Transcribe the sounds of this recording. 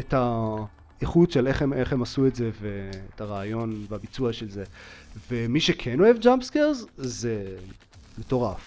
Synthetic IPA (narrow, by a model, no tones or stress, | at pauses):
eta | eχutʃeleχemeχemasuetze̞veetaʁaːjo̞nveabit͡suaʃelzevemiʃekʰeno̞e̞vd͡ʒampskeʁzze | meto̞ʁaf